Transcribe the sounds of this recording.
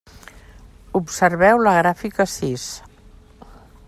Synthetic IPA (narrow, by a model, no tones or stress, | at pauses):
upsəɾβɛwləɣɾafikəsis